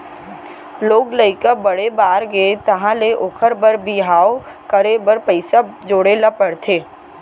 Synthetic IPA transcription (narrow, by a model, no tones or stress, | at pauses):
loːɡləɪkabɐɽebaːɾɡeet̪ɐɦãleʔoːkʰəɾbəɾbiɦaːo | kəɾebəɾpəɪsad͡ʒoːɽelapəɽt̪ʰeː